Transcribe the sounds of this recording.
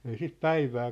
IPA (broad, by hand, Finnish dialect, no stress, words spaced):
ei sit pæiʋæː